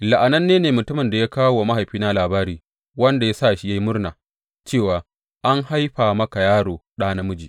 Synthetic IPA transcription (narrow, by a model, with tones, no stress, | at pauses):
la˨ʔa˨nɐ˦nːeː˦neː˨mʊ˨tʊ˦mɪ˨nda˨ja˦kaː˦wo˨ma˦ɦa˨jɸiː˦na˦laː˨baː˦ɾiː˨ | wɐ˦nda˨ja˦sa˦˨ʃi˦ja˦jmʊ˦rnaː˨ | t͡ʃeː˦˨waː˨ | ʔa˦ŋha˦jɸaː˨mɐ˦ka˨jaː˦ɽoː˨ɗaː˦na˦mʊ˦d͡ʒiː˨